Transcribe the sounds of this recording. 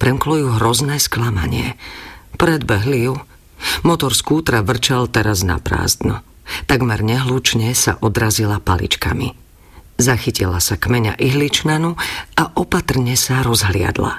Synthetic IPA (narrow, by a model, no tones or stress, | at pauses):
pɾɛmklɔjuːɦɾɔznɛːsklama̰ɲɪɛpɾɛd̪bɛɦliju | mɔt̪ɔɾskuːt̪ɾaʋr̩t͡ʃalt̪ɛɾazna̰pɾa̰ːzd̪nɔ | t̪aɡmɛɾɲɛɦluːt͡ʃɲɛsa̰ʔɔd̪ɾazilapalḭt͡ʃka̰mḭ | zaxicilasakmɛɲa̰ʔiɦlit͡ʃnanuaʔɔpat̪r̩ɲɛsaɾɔzɦlɪa̰d̪la̰